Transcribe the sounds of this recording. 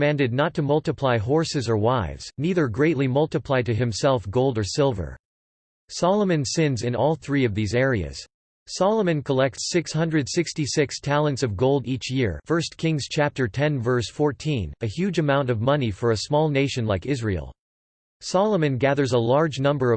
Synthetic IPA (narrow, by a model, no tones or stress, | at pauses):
mæ̃ndɨdⁿnətʰɨmʌlˠtəpʰl̥aɪɦɔɹsɨzə˞waɪvz̥niðə˞ɡɹeɪʔˡlimʌlˠtɨpʰl̥aɪd̚tɨɨ̃msɛlˠfɡoʊlˠdə˞sɪlˠvə̰˞ | sɑlˠəmɨ̃nsɪ̃nzɨ̃nɔlˠθɹiʌvðizɛɹiɨ̰z̥ | sɑlˠəmɨ̃nkʰəlɛk̚tsɪkshʌ̃ndɹɨdsɪkstisɪkstʰælˠə̃ntsʌvɡoʊlˠdit͡ʃjɪɹfɜ˞skʰɪ̃ŋz̥t͡ʃʰæp̚tə˞tʰɛ̃nvɜ˞sfɔɹtʰĩnɨhjʉd͡ʒɨmãʊ̃ntʌvmʌnifə˞ɨsmɔlˠneɪʃɨ̃nlaɪkɪzɹḭl̩ˠ | sɑlˠəmɨ̃nɡæðə˞zəlɑɹd͡ʒnʌ̃mbə˞ʌ